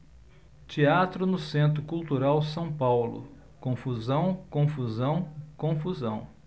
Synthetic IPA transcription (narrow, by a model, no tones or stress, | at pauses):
t͡ʃiat̪ɾʊnʊsẽnt̪ɾʊkult̪uɾawsɐ̃w̃pawlʊ̰ | kõfuzɐ̃w̃kõfuzɐ̃w̃kõfuzɐ̃w̃